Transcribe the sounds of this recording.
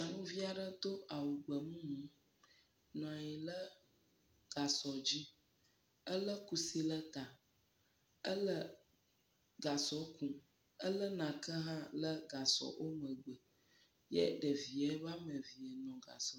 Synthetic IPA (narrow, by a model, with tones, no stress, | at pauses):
a˨nũ˦vi˦a˨ɖə˦t̪o˦a˨wu˨ɡ͡bə˨mũ˦mũ˨˦ | nɔ̃˨a˨ji˨lə˦ | ɡ̥a˨sɔ˨d͡ʑi˦ | ə˦lə˦ku˨si˦lə˦t̪a˨ | ə˦lə˦ | ɡa˨sɔ˨˦kũ˨ | ə˦lə˦nã˨kə˦ɦã˦lə˦ɡa˨sɔ̰˨ʔo˦mə˨ɡ͡bə˨ | jɛ̰˦ɖə˨vi˨ə˦va˦mə˨vi˨ə˨nɔ̃˨ɡa̰˨sɔ˨